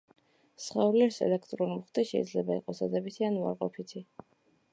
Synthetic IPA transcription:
sχaulɛɾsɛ̰lɛkʰt̪ʼɾɔnmχd̪ɛʃɛ̰id̪zlɛbaḭqʼɔsad̪ɛbit̪ʰianua̰ɾqʼɔpʰit̪ʰi

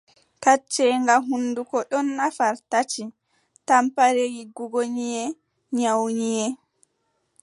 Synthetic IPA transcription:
kat͡ʃːɛŋɡaɦundukɔɗɔnːafaɾtat͡ʃi | tampaɾeɡiɡuɡoɲijɛ | ɲawɲijɛ

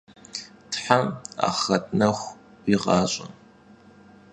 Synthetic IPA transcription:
tʰħama̰χɐtʰʼnɐxʷ | iʁɑːɕʼɐ̰n

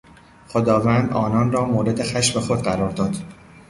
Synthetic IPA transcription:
xod̪ɒːvæːnd̪ʔɒ̰ːnɒːnrɒːmoːɾe̞d̪e̞xæʃme̞xo̞d̪ɢæɾɒːɾd̪ɒːd̪̥

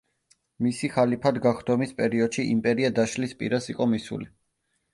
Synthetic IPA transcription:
misiχalipʰad̪ɡaχd̪ɔmispʼɛɾiɔd̪̥ʃiʔimpʼɛɾiad̪aʃlispʼḭɾasiqʼɔmisṵli

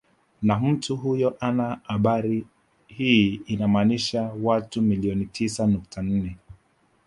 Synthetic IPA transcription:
nam̩tuɦujɔʔanahaɓaɾi | hiinamaniʃawatumiliɔnitʰisanuk̚tʰan̩nɛ

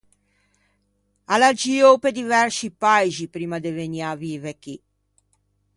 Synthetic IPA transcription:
alad͡ʒiːoped̪ivɛrsipajzipɾiːmad̪eveniaviːveki

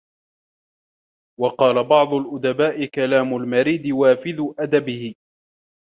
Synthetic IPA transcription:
wɑqɑːlabɑʕd̪ˤʊlʔʊd̪abaːʔɪkalaːmʊlmaɾiːd̪ɪwaːfɪðʊʔad̪abɪhɪ

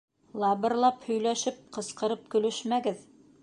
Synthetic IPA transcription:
lˠɑβɤ̆ɾlˠɑphɵ̆jlæʃɘp̚qɤ̆sqɤ̆ɾɤp̚kɵ̆lɘʃmæɡɘð

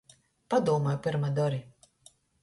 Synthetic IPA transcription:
pad̪uɔmajpɨɾmad̪ɔɾi

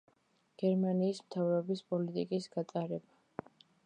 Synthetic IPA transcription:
ɡ̥ɛɾmaniːsmt̪ʰavɾɔbispʼɔlit̪ʼikʼisɡ̥at̪sʼaɾɛba

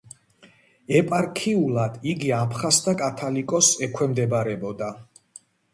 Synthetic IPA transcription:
ɛpʼaɾkʰiulˠad̪̥iɡiapʰχast̪ʰakʼat̪ʰalikʼɔsɛkʰwɛmd̪ɛbɾɛbɔd̪a

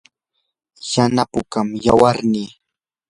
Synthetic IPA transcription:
janapʊkamjawaɾniː

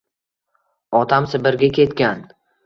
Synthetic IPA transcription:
ɒt̪ʰamsɪbɪɾɡʲakʲʰe̞t̪kʲan

